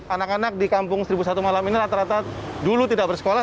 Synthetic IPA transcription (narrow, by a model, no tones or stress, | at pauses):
anakanak̚dikampʊŋsəɾibus̬at̪umalaminiɾat̪aɾat̪a | dulut̪idakbərsə̥kola